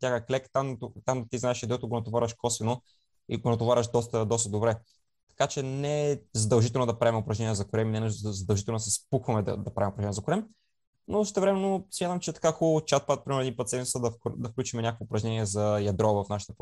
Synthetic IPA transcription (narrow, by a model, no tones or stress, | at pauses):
t̪jaxəklɛkt̪amt̪ot̪amt̪iznaɛʃid̪ɛɔt̪ʊɡonɐt̪ovaɾvɐʃkɔsɛno | iɡonɐt̪ʊvaɾɐʃd̪ɔst̪əd̪ɔst̪əd̪obɾɛ | t̪ɐ̥kat͡ʃɛnɛzɐd̪ɐlˠʒit̪ɛlˠnod̪ɐpɾaɛmɛʊopɾɐʒnɛniːɛzɐkʊɾɛminɛnəʃozɐd̪ɐlˠʒit̪ɛlnd̪sɛspuxvɐmɛd̪ɐ̰d̪ɐpɾavimopɾɐʒɛnʲijɛzɐkʊɾɛm | nosə̥ʃt̪ɛvɾɛmɛnːosmʲjat̪əmt͡ʃɛt̪ɐ̥kaxɔlˠot͡ʃat̪̚pat̪̚pɾimɛɾnipɐt̪sɛmit̪səd̪ɐfkd̪ɐfklʲut͡ʃimɛnʲakəkvoʊpɾɐʒnɛniɛzɐjɐd̪ɾɔvɐfnaʃi̥t̪əp